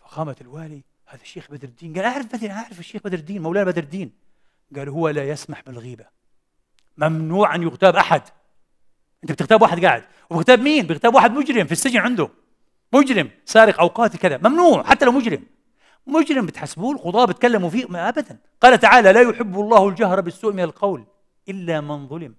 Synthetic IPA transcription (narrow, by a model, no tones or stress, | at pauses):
fḁxaːmat̪ɪlwaːli | haːðaʃːeːxbad̪ɑɾˤɪd̪ːiːnɡaːlʔaʕɾˤɑfbad̪inʔaʕɾˤɪfaʃːeːxbad̪ɾd̪iːnmawlaːnabad̪ɪɾd̪ːiːn | ɡaːluhʊwːalajasmaħbɪlɣiːba | mamnuːʕanjʊɣt̪aːbʔaħad̪ | ʔɪnt̪bt̪ɪɣt̪aːbwaːħɪd̪ɡaːʕɪd̪ | wɪbɪɣt̪aːbmiːnbɪɣt̪aːbwaːħɪd̪mʊd͡ʒɾɪmfisːɪd͡ʒnʕɪnd̪ʊ | mʊd͡ʒɾɪm | saːɾɪqʔawqɑːt̪kɪðamamnuːʕħat̪ːalawmʊd͡ʒɾɪm | mʊd͡ʒɾɪmbɪt̪ħasːbuːlxʊd̪ˤɑːbɪt̪̚kalːamfiːʔmaʔabad̪an | qɑːlat̪aʕaːlalaːjʊħɪbːɑlˤːɑːhwɪld͡ʒahɾˤɑbɪsːuːʔmɪnalqɑwl | ʔɪlːamɪnðˤʊlɪm